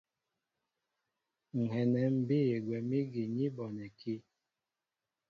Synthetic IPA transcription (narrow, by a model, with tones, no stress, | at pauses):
ŋ̩˨ɦɛ˨nɛ˨˦m̩˦be˦e˨ɡwɛ˨mi˦ɡi˨ɲi˦bɔ˨nɛ˨kʰi˦